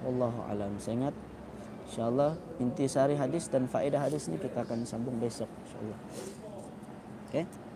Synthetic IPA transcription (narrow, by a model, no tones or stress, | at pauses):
wɑlːɑɦua̰lamsaiŋat̪̚ | inʃaːlˠːɑh | int̪isaɾiɦadɪsdanfaʔidaɦadɪsnikit̪aːkansambʊŋbasɔk̚nʃa̰ʔlːɑh | oke